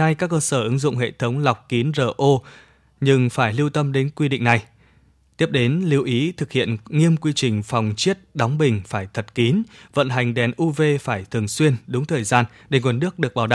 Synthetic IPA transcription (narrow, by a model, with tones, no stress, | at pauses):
na˧jkaː˦˥kːəː˧səː˧˩ʔɨ˨˦ŋzʊ̰˧˨ŋ͡mɦḛ˧˨t̪ʰə˨˦wŋ͡mla˨˩wk͡p̚ki˨˦nzəː˨˩ʔo˧ | ɲɨ˧ŋfaː˧˩jli˧wt̪ə˧mɗe˨˦nkwi˧ɗḭ̈˧˨ŋ̟na˨˩j | t̪i˦˥əp̚ɗe˨˦nli˧əwʔi˨˦t̪ʰɨ˨˩k̚hḭ˧˨ənŋi˧əmkwi˧t͡ɕï˨˩ŋ̟fa˨˩wŋ͡mt͡ɕi˦˥ət̚ɗɔ˨˦wŋ͡mɓï˨˩ŋ̟faː˧˩jt̪ʰə˨˩t̚ki˨˦nvə̰˧˨nɦa˨˩jŋ̟ɗɛ˨˩nʔu˧ve˧faː˧˩jt̪ʰɨ˨˩əŋswi˧ənɗʊ˨˦ŋ͡mt̪ʰəː˨˩jzaː˧n | ɗe˧˩ŋwə˨˩nːɨ˦˥ək̚ɗɨ˨˩ək̚ɓaː˧˩wɗa̰˧˨